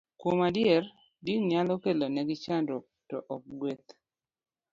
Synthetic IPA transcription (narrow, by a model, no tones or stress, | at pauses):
kwomadjɛr | diɲalɔkelonɛɡɪt͡ʃandɔ | tɔʔɔk̚ɡwet̪̚